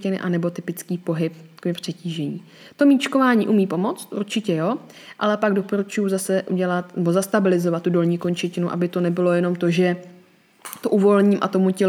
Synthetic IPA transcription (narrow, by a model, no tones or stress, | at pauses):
cɪnɪ̰ʔanɛbo̞t̪ɪpɪt͡skiːpo̞ɦɪpkpr̥ɛciːʒɛɲḭː | t̪o̞miːt͡ʃko̞vaːɲiːʔumiːpo̞mo̞t͡st̪ʔṵɾt͡ʃɪcɛjo̞ | ʔalɛpaɡdo̞po̞ɾut͡ʃujuzasɛʔṵɟɛlat̪nɛbo̞zast̪abɪlɪzovat̪ːudo̞lɲiːkoɲt͡ʃɛcɪnuʔa̰bɪt̪onɛbɪlo̞jɛno̞mt̪o̞ʒɛ | t̪o̞ʔuvo̞lɲiːmʔa̰t̪omucɛ